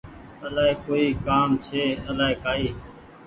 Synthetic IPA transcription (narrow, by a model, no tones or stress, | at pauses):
əlaːɦekoːiːkaːmt͡ʃʰeːəlaːeːkaːiː